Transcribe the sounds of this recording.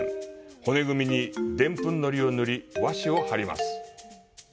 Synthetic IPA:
ho̞ne̞ɡɯ̟mʲiɲ̟id̪ẽ̞mpɯ̟̃nːo̞ɾʲio̞nɯ̟ɾʲiβaɕio̞haɾʲima̰sɨ̥

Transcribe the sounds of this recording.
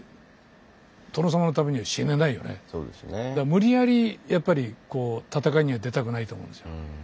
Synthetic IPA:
t̪onos̬amano̞t̪ameɲ̟iβaɕḭ̃nːend̪aijo̞̰nḛso̰ːd̪esned̪amɯ̟ɾʲiaɾʲijapːaɾʲiko̞ːt̪at̪akaiɲ̟iβad̪e̞t̪akɯ̟nait̪oːmõ̰ːnesɨjoo

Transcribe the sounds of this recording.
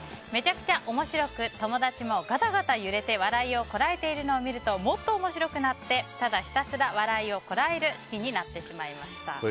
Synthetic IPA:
me̞t͡ɕakɯ̟̥t͡ɕaʔo̞mo̞ɕiɾo̞kɯ̟t̪o̞mo̞d̪at͡ɕimo̞ɡat̪aɡat̪ajɯ̟ɾe̞t̪e̞βaɾaio̞ko̞ɾae̞t̪e̞iɾɯ̟no̞ːmʲiɾɯ̟t̪o̞mo̞t̪ːo̞ːmo̞ɕiɾo̞kɯ̟nat̪ːe̞t̪ad̪açʲi̥t̪asɨɾaβ̞aɾaio̞ko̞ɾae̞ɾɯ̟sɨ̥kʲiɲ̟inat̪ːe̞ɕimaimaɕi̥t̪a̰

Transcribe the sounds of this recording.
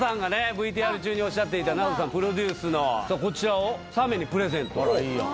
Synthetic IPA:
sãŋɡane̞bɯ̟it̪̬iːaɾɯ̟t͡ɕɨːɲ̟io̞ɕːat̪̬ːe̞it̪anazos̬ãmpɯ̟ɾo̞d̪ʲɨːsɨnosoko̞t͡ɕiɾaosame̞ɲ̟ipɯ̟ɾe̞zẽ̞nt̪oio̰

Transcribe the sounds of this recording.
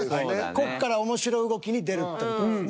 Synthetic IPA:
ko̞kːaɾaomo̞ɕiɾo̞ɯɡo̞kʲiɲ̟id̪e̞ɾɯ̟t̪ːo

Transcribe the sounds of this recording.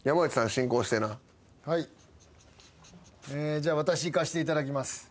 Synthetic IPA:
jamaɯt͡ɕi̥sãɕĩŋko̞ːɕi̥t̪e̞na | hai | ed͡ʑaːβat̪aɕiːkaɕi̥t̪e̞it̪ad̪akʲimasɨ̥

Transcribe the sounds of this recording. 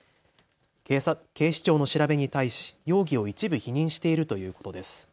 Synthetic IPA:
ke̞ːɕi̥t͡ɕo̞ːno̞ɕiɾabe̞ɲ̟it̪aiɕi̥jo̞ːɡʲio̞it͡ɕibɯ̟çiɲ̟ĩɰ̃ɕi̥t̪e̞iɾɯ̟t̪o̞jɯ̟ːko̞t̪o̞d̪e̞sɨ̥

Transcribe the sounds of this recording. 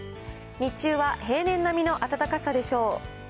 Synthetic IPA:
ɲ̟it͡ɕɨːβahe̞ːnẽ̞nːamʲino̞ʔat̪at̪akasad̪e̞ɕo̞ː

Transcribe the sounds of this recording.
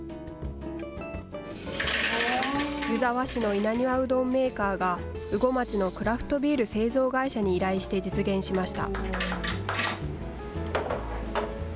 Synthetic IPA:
jɯ̟zaβaɕino̞inaɲ̟iβaɯ̟d̪õ̞mːe̞ːkaːɡaɯ̟ɡo̞mat͡ɕino̞kɯ̟ɾaɸɯ̟̥t̪o̞bʲiːɾɯ̟se̞ːzo̞ːɡaiɕaɲ̟iːɾaiɕi̥t̪e̞d͡ʑit͡sɨɡẽ̞ɰ̃ɕimaɕi̥t̪a̰

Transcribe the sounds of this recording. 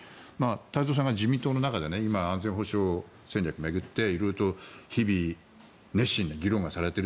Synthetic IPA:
maːt̪aizoːs̬ãŋɡad͡ʑimʲĩnt̪oːnonakad̪e̞neimaãnzẽ̞ɰ̃ɦo̞ɕoo | sẽ̞nʲɾʲakɯ̟me̞ɡɯ̟t̪ːe̞iɾoiɾot̪o̞çibʲi | ne̞ɕːĩnd̪eɡʲiɾõ̞ŋɡasaɾe̞t̪e̞ɾɯ

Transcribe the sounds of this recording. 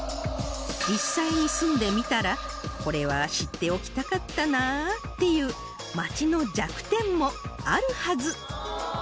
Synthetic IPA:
d͡ʑisːaiɲisɨ̃nd̪e̞mʲit̪aɾako̞ɾe̞βaɕit̪ːe̞o̞kʲi̥t̪akat̪ːanat̪ːe̞jɯ̟ː | mat͡ɕino̞d͡ʑakɯ̟̥t̪ẽ̞mːo̞aɾɯ̟hazɨ

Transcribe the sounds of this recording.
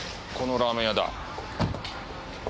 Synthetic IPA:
konoɾamejad̪a̰

